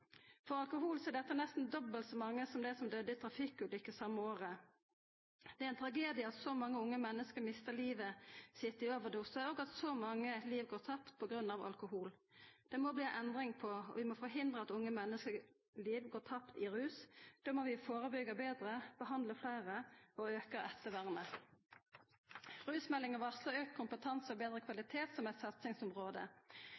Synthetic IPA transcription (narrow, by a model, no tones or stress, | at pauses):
fɔɾɑlkʊɦuːlsɔɛɖ̪ɛt̪ːənɛst̪n̩d̪ɔbəlt̪sɔmɑŋːəsɔmd̪ɛsɔmd̪œd̪ət̪ʰɾɑfɪkːʉlʏkːəsɑmːəoːʁə | d̪ɛæɾɛɪnt̪ʰɾɑɡeːd̪ɪəɑt̪sɔmɑŋːəʊŋːəmɛnːəskəɾmɪst̪əliːʋəsɪt̪ːəɾɪoːʋəd̪usəoːɡɑt̪sɔmɑŋːəliːʋɡoːɾt̪ʰɑpt̪pʰɔɡɾʉnːɑʋɑ̰lkʊhuːl | d̪̥ɛmɔbliːʔɛnd̪ɾɪŋpʰɔɔ̰ʋɪmɔfɔɦɪnd̪ʁəɑt̪ʊŋːəmɛnːəskə | liːʋɡoːʁt̪ʰɑpt̪ɪʁʉːsd̪̥oːmɔʋɪfoːʁəbʏɡəbeːd̪ʁəb̥əɦɑnd̪ləflæɪʁəɔøːkəɾɛt̪ːəʋæʁmə | ʁʉːsmɛlːɪŋəʋɑsləøːkkʰʊmpət̪ʰɑnsɔbeːd̪ʁəkʰʋɑlɪt̪ʰeːt̪sɔmæɪt̪sɑt̪sɪŋsʊmʁoːd̪ə̰